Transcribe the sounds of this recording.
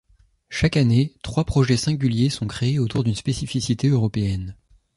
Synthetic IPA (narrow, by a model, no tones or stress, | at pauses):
ʃakanet̪χwapχɔʒɛsɛ̃ɡʲyljesɔ̃kχeːot̪uʁd̪ynspesifisit̪eøʁɔpeɛn